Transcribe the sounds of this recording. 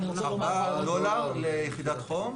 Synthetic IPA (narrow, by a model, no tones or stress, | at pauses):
abad̪olaʁlejeχid̪at̪χom